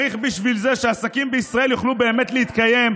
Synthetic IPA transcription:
iχbiʃvilze̞ʃeasakimbeisʁae̞ljoχlube̞ːme̞t̪leit̪kaje̞m

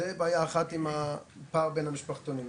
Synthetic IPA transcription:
ebaːjaːχat̪imapaːʁbenhamiʃpaχt̪oni

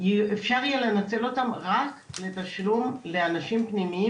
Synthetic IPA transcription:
jefʃaʁjelenat͡se̞lo̞t̪amʁakle̞t̪aʃlumle̞anaʃimpnimii

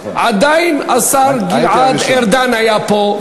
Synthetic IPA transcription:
ad̪ajnasaɾɡiʕad̪ɛɾd̪anajapo

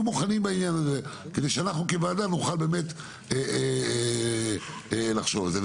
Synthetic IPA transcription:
muχanimbainjanaze | ked̪ejʃeanaχnukevaːdanuχalbe̞ːme̞t | e | laχʃovalze

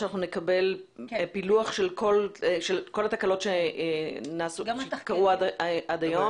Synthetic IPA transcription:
anaχnunekabe̞lpiluaχʃe̞lko̞lʃelko̞lat̪akalo̞tʃe | naːsuʃkaʁuaʔad̪ajo

